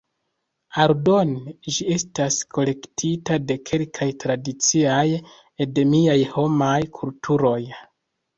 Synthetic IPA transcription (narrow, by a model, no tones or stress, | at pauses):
aɾdo̞nd͡ʒie̞staskʰo̞le̞ktʰitade̞kʰe̞lkʰajtɾadit͡siaj | ede̞miajho̞majkʰultʰuɾo̞j